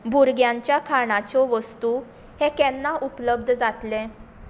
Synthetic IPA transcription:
bʱuɾɡjãɲt͡ɕjakʰaɽ̃at͡sɔʋəst̪u | hɛkɛnːaʔupləb̚d̪ʱd͡zat̪lɛ̃

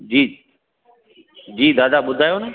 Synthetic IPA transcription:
d͡ʑiː | d͡ʑiːd̪aːd̪aɓʊd̪ʱaːjonɐ

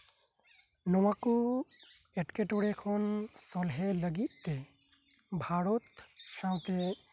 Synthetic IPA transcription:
nɔwaku | ɛʈkeʈɔɽɛkʰɔnsɔlɦɛləɡit̪̚ˀt̪ɛ | bʱaɹɔt̪sãw̃t̪ɛ

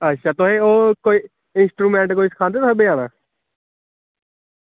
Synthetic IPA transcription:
ətːʃʰaːt̪ʊɦẽːoːkoːiː | ɪnsʈɾuːmɛ̃ːɳʈkoːiːsə̥kʰaːnd̪eːt̪ʊɦẽːbəjãːnaː

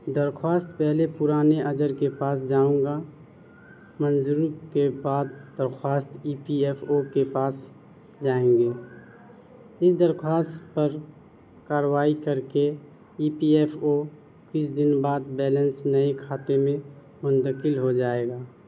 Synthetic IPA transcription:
d̪əɾkʰwaːst̪pɛɦlepʊɾaːneʔəd͡ʒəɾkepaːsd͡ʒaːũːŋɡa | mənzuɾukebaːd̪d̪əɾxʰwaːst̪iːpieːpʰokepaːs | d͡ʒaːẽːŋɡeː | ɪsd̪əɾkʰwaːst̪pəɾ | kaːɾwaːikəɾke | iːpieːpʰo | kʊt͡ʃʰd̪ɪnbaːd̪̚bɛːlənsnəekʰaːt̪emẽ | mʊnt̪əkɪlɦod͡ʒaːeːɡaː

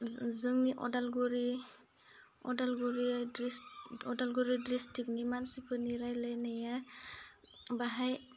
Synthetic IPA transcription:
zɯŋniʔɔ̰dalɡuɾi | ɔ̰dalɡuɾidisɔdalɡoɾidɾistʰiknimansipʰɯniɾajlajnaja | baɦaj

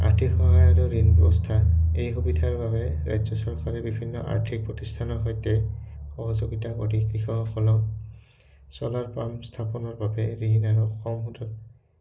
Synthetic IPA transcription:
a̰ɹtʰikxɔɦajaɹuɹinbɛbɔstʰaejɦubidʰʱaɹbabɛɹa̰jzɔsɔɹkaɹɛbibʱinːɔ̰ʔa̰ɹtʰik̚pɹɔtistʰanɔɹɦɔjtɛxɔɦɔzoɡitakɔdikɹixɔkɔlɔ | sɔlaɹpamstʰapɔnɔɹbabɛɹinaɹuɔxɔmɦutɔ

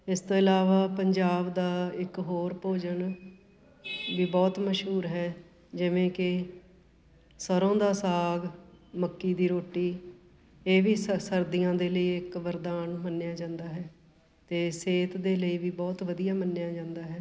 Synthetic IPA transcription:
ɪst̪oːɪlaːʋaːpəɲd͡ʒaːbd̪aːɪkɦoːɾpoːd͡ʒən | ʋiːbɔːt̪məʃɦuːɾɦɛː | d͡ʒɪʋẽːkɪ | səɾõːd̪aːsaːɡməkːiːd̪iːɾoːʈiː | eːʋiːssəɾd̪ijãːd̪eːləiːɪkʋəɾd̪aːnmənːɪjaːd͡ʒãːnd̪aːɦɛː | t̪eːseːt̪d̪eːləiːʋiːbɔːt̪ʋəd̪ijaːmənːjaːd͡ʒãːnd̪aːɦɛː

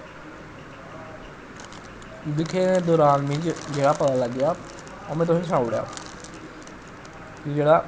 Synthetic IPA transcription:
d̪ɪkʰeːnẽːd̪ʊːɾaːnmɪ̃t͡ʃd͡ʒeːɽaːpət̪aːləɡɪjaː | omẽːt̪ʊssaːʊɽja̰ː | kiːd͡ʒeːɽaː

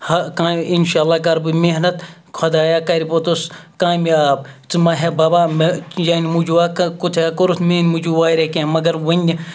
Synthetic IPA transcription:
hɐkainʃaːlːaːkɐɾbɨmeɦnɐt̪ | kʰɐd̪aːjaːkɐɾipot̪uskaːmiaːb̚t͡sɨmɐɦebaːbaːmjɐːnimud͡ʒuːaːkkut̪ʰaːkoɾut̪meːnmud͡ʒuːʋaːiɾekẽːmɐɡɐɾʋɐnʲ

